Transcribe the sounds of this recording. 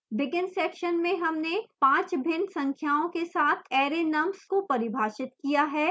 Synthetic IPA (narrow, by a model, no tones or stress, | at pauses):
bɪɡɪnsɛːkʃənmẽɦɐmnepãːt͡ʃbʱɪnsɐ̃ŋkʰjaːõkesaːt̪ʰɛːɾenɐmskopɐɾɪbʱaːʃɪt̪kijaɦɛː